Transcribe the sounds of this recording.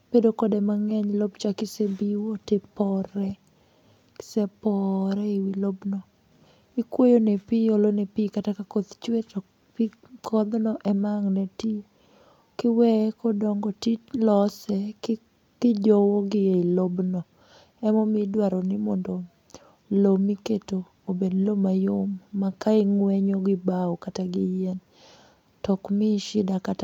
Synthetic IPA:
b̥edokɔdemaŋɛɲlobt͡ʃakɪsebiwotepɔɾɛ | kɪ̥sɛpɔɾɛiwilobnɔ | ikwojonepɪjolonepikatakakot̪t͡ʃwetɔ | pi | kʰɔd̪nɔʔɛmaŋnɛti | kɪwɛkɔdɔŋɡɔtilɔsɛ | kɪd͡ʒɔwoɡɪeilobnɔ | ɛmɔmɪdwaɾɔnɪmɔndo | lomiketoːbedlomajʊmːakaɪŋwɛɲoɡɪbaɔkataɡɪjɛn | tɔkmɪʃɪdakata

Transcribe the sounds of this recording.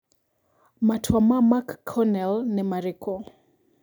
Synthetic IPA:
matʰwamamakʰːɔnɛlnimaɾikʰɔ

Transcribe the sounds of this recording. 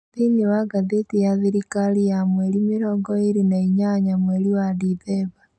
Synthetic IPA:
ðiniwaɡaðetijaðiɾikalijamweɾimiɾɔːŋɡɔiɾinaiɲaɲamweɾiwadiðɛβa

